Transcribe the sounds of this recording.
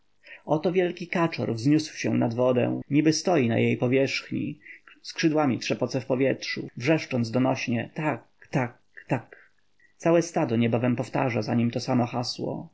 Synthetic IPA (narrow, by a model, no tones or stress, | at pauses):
ɔt̪ɔvʲjɛlkʲikat͡ʂɔ̰ɾvzɲuswɕɛ̃nad̪vɔd̪ɛ̰w̃ɲibɘst̪ɔjina̰jejpɔvʲjɛʂxɲḭskʂɘd̪wamʲitʂɛpɔt̪sɛfpɔvʲjɛtʂṵvʐɛʂt͡ʂɔnd̪d̪ɔnɔɕɲɛt̪ak | t̪ak | t̪ak | t̪sawɛst̪ad̪ɔɲɛbavɛmpɔft̪a̰ʐazaɲimt̪ɔsamɔxaswɔ̰